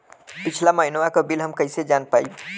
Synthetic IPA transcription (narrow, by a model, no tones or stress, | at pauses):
pit͡ʃʰlaməɦinwakəbilɦəmkəjsed͡ʒanpai